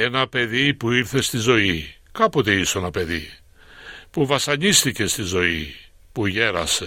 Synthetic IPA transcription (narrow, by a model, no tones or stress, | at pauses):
e̞nɐpe̞ðipuiɾθe̞st̪izo̞i | kɐpot̪eisoenɐpe̞ðḭ | puvɐsɐɲist̪ice̞st̪izo̞i | puʝe̞ɾɐ̰se̥